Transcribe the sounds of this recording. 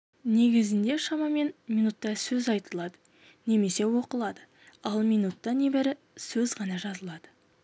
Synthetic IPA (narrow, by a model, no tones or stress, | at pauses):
ne̞ɡʲɪzɪnd̪e̞ʃɑmɑme̞nminut̪ːɑsɵzɑjt̪əlˠɑd̪ə | ne̞me̞se̞wo̞qəlˠɑd̪ə | ɑlˠminut̪ːɑne̞bɪɾɪ | sɵzʁɑnɑʒɑzəlˠɑd̪̥ə